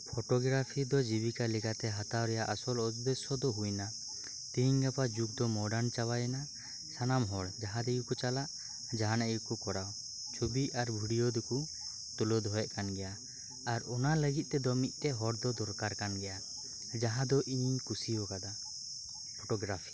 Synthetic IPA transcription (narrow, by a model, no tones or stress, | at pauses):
pʰɔʈɔɡɾapʰid̪ɔd͡ʒibikalɛkat̪ɛɦat̪awɾɛjaʔasɔlɔt̪d̪ɛsɔd̪ɔɦujna | t̪iɲɡapad͡ʒuk̚d̪ɔmɔɖant͡ʃawajɛna | sanamɦɔɽd͡ʒaɦãd̪ɛɡukɔt͡ʃalaʔ | d͡ʒaɦanaiɡukukɔɽaw | t͡ʃʰubiaɾbʱuɽijɔd̪ɛku | t̪ulɔd̪ʱɔɛʔ̚kanɡɛja | aɾɔnaləɡit̪̚ˀt̪ɛd̪ɔmit̪̚t̪ɛɦɔɽd̪ɔd̪ɔɾkaɾkanɡɛja | d͡ʒaɦãd̪ɔʔiɲɲkusiɔkad̪a | pʰɔʈɔɡɾapʰi̥